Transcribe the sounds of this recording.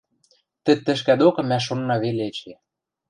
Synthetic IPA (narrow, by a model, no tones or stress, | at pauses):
t̪ɘ̆t̪ːɘ̆ʃ̬kæd̪okɤ̆mæʃ̬onːɑβeleɘt͡ɕe